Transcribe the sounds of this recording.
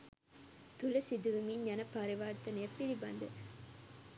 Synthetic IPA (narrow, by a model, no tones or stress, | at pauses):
t̪ulɐsid̪ɯʋɯmiɲɲɐnɐpɐɾiʋaːɾt̪ːɐnepːilibɐnd̪ɨ